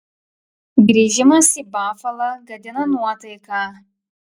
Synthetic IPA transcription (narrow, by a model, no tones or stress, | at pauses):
ɡɾʲiːʒʲɪmɐsibɑːfɐlˠɐɡɐd̪ʲɪnɐnuɔt̪ɐɪkɑ